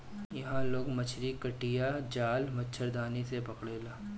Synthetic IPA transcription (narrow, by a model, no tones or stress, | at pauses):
jɐɦãloːɡmɐt͡ʃʰɾikɐʈijad͡ʒaːlmɐtːʃʰəɾd̪aːnisepɐkɽeːlaː